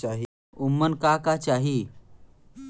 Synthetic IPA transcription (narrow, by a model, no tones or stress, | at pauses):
aɦi | umːənkakat͡ʃaɦi